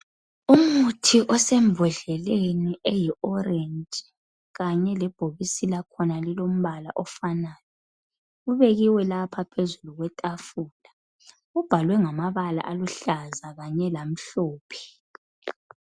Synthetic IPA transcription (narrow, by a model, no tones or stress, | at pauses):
umutʰiʔɔsɛmbʱɔɮɛleniʔɛjiʔɔrɛnd͡ʒʼ | ɣaɲɛlɛb̥ʱoβisilakʰɔnalilom̩βalaʔɔfanaːjɔ | uβɛɣiwɛlapʰapʰezuluɣwɛtʼafuːla | ub̥ʱalwɛŋamaβala̰ʔaluɬazaɣaɲɛlam̩ɬɔːpʰɛ̥